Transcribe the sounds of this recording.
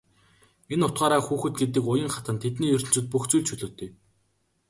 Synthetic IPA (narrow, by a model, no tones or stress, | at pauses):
enʊt̪̚ɢaːɾaːxuːxɘ̆t̪̚ɡet̪̬ɘ̆kʊjə̆ŋχat̪ə̆nt̪ʰet̪niːjɵɾʲɵ̆ɬt͡sŭːt̪̚puxt͡sujɮt͡ɕʰɵɮɵːt̪eː